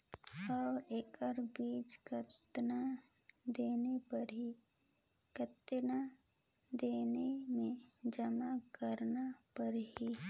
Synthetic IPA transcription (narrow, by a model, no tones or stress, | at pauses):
ɔːeːkəɾbiːd͡ʒkət̪nad̪eːnepɐɾɦi | kət̪na | d̪eːnemẽd͡ʒɐmakəɾnapɐɾɦi